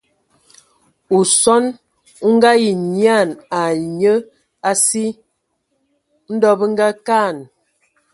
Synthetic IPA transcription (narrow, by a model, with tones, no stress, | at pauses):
u˨sɔ˦n | u˦ŋ̩˦ɡa˦ji˨ɲja˦˨na˨ɲə˦ | a˨si˦ | n̩˦dɔ˦bə˦ŋ̩˦ɡa˦ka˦˨n